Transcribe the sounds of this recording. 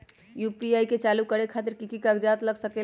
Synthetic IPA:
jupiajket͡ʃalukəɾekʰat̪iɾkikikaɡd͡ʒat̪ləɡsəke

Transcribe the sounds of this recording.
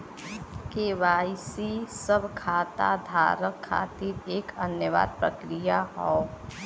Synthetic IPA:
keʋaːɪsisəbʱkʰaːt̪a̰d̪ʱa̰ːɾəkʰːa̰ːt̪iɾeːkənjəʋa̰ːd̪̚pɾəkɾijaɦɔː

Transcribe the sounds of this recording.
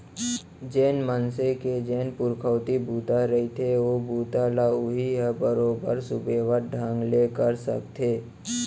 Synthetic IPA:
d͡ʒeːnmənseked͡ʒeːnpʊɾkʰəːt̪ibʱuːt̪aɾəɦit̪ʰeʋobʱuːt̪alaʊɦiɦɛbəɾoːbə̰ɾsʊbeːʋəɾɖʱãːŋɡlekəɾsə̰k̚t̪ʰeː

